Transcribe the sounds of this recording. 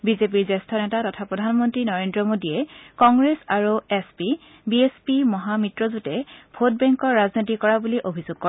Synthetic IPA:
bizep̬iɹzɛstʰɔnɛtatɔtʰapɹɔdʱanmɔntɹinɔɹendɹɔmodiɛkɔŋɡɹesaɹuɛspi | biespimɔɦamitɹɔzutɛbʰʱot̚bɛŋkɔɹːaznitikɔɹabuliʔobʱizuɡ̚kɔ

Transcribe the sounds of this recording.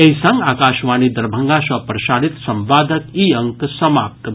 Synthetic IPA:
eɦisɐ̃ŋɡaːkaːʃʋaːnid̪ɐɾbʱɐŋɡasɐpɾɐʃaːɽit̪sɐmʋaːd̪ʱəkiːɐŋksɐmaːp̚t̪

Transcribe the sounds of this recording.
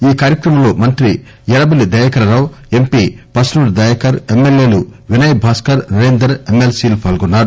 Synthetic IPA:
iːkaːɾjɐkɾɐmɐmloːmɐnt̪ɾi | jɛɾɐbɐlid̪ɐjɐkɐɾɐɾɐw | e̞mpiːpɐsnuɾd̪ɐjɐkɐɾemːeljeːluʋinɐjbʱaːskɐɾɾuɾeːnd̪ɐɾemːelsiːlupʰɐːlɡunːaːɾu

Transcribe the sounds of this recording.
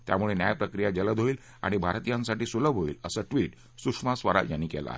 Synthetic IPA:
t̪ja̰muɭenjajpɾəkɾijad͡ʑələd̪ʱɦoiːl | a̰ɽ̃ibʱaɾt̪ijãnsaʈiːsuləbɦoiːləsəːʈʋiːʈ | sukʂmasʋəɾa̰janːiːkɛl̰a̰ɦe

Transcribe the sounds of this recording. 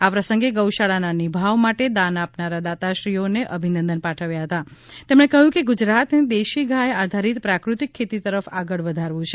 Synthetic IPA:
apɾəsəŋɡeɡəwʃaɭananibʱaʋmaʈed̪anapnaɾad̪at̪aʃɾioneʔəbʱinənd̪ənpaʈʰəʋjaɦət̪at̪emɽ̃ekəɦjũkeɡud͡ʒɾat̪nid̪eʃiɡʱaead̪ʱaɾit̪pɾakɾut̪ikʰːet̪it̪əɾəfaɡəɭʋəd̪ʱaɾʋũt͡ʃʰe

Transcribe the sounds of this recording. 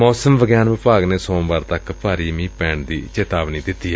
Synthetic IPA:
mɔːsəmʋəɡjaːnʋɪpaːɡneːsõːbaːɾt̪əkpaːɾiːmĩːpɛːɳd̪ḭːt͡ʃeːt̪aːʋniːd̪ɪt̪ːiː

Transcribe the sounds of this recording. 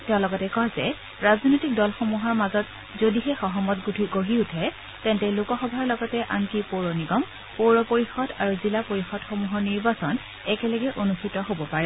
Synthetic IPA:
tɛʊ̃lɔɡɔtɛkɔzɛ | ɹaznojtik̚dɔlxomuɦɔɹmazɔt | zodiɦɛxɔɦɔmɔtɡutʰikoɦiutʰɛ | tɛntɛlokɔxɔbʱaɹlɔɡɔtɛʔankipoɹɔniɡɔm | poɹɔpoɹixɔdaɹuzilapoɹixɔdxomuɦɔɹniɹbasɔn | ɛkɛlɔɡɛʔonustʰitɔɦobɔpaɹɛ

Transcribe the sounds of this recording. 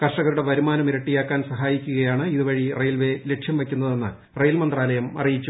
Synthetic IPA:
kɐrʂɐɣɐɾuɽe̞ʋɐɾumaːnɐmiɾɐʈːijaːkːaːnsɐɦaːjikʲːuɣɐjaːɳɨiðuʋɐɻirejlʋe̞le̞ʈʂjɐmʋekʲːunːɐðe̞nːɨ̰ | rejlmɐnd̪raːlɐjɐmɐ̰rijit͡ɕːu

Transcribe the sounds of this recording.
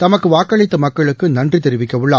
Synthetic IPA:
t̪ɐmɐkːɯʋaːkːɐɭɪt̪ːɐmɐkːɐɭɯkːɯnɐndrit̪ɛɾɯʋɪkːɐʋɯɭːaː

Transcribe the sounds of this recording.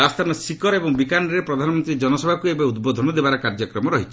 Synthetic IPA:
ast̪ʰanɔsikɔɾebɔŋbikanɔɾepɾɔd̪ʱanɔmɔnt̪ɾid͡ʒɔnɔsɔbʱakuebeud̪bod̪ʱɔnɔd̪ebaɾɔkaɾd͡ʒɔkɾɔmɔɾɔɦit͡ʃʰi̥

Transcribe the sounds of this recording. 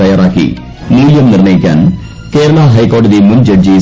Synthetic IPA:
ɐjaːɾaːkːḭ | muːljɐmnɪɾɳɐjɪkʲːa̰ːn | keːɾɐɭaːɦɐjkoːɖɐðimʊnd͡ʒɐɖd͡ʒi

